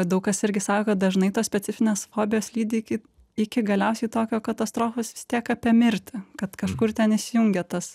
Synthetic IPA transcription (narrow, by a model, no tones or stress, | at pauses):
d̪ɐʊkkɐsɪɾʲɡʲɪsɑːkoːkɐt̪̚d̪ɐʒnɐɪt̪oːsʲpʲɛt͡s̪ʲɪfʲɪnʲeːsfoːbʲɪjoːslʲiːd̪ʲɪɪkʲɪ | ɪkʲɪɡɐlʲɛʊsʲɛɪt̪oːkʲoːkɐt̪ɐst̪ɾoːfoːsʋʲɪst̪ʲiɛkɐpʲɛmʲɪɾʲt̪ʲɪkɐt̪kɐʃkʊrt̪ʲɛnɪsʲɪjʊŋʲɡʲɛt̪ɐs